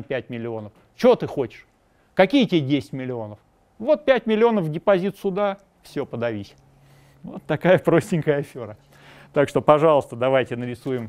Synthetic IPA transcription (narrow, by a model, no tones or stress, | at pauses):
pʲæt̚ʲmʲɪlʲɪo̞nəf | t͡ɕɪot̪ɨxo̞t͡ɕɪ̥ʂ | kɐkʲijətʲedʲesʲɪ̥tʲmʲɪlʲɪo̞nəf | vo̞t̪̚pʲætʲmʲɪlʲɪo̞nəfdʲɪpɐzʲit̪sʊd̪a | fsʲɵ̞pəd̪ɐvʲisʲ | vo̰t̪ːɐkajəpɾo̞sʲtʲɪŋʲkəjəɐfʲo̞ɾə | t̪akʂt̪o̞pɐʐɑlˠəst̪əd̪ɐvajtʲɪnəɾʲɪsujɪm